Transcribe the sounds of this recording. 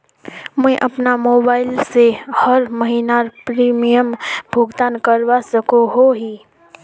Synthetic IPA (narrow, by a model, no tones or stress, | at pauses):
mɛ̃ẽʔɐpnamoːbaːɪlsehəɾməɦinaɾpɾiːmijəmbʱʊɡd̪aːnkəɾwasəkoɦoɦiː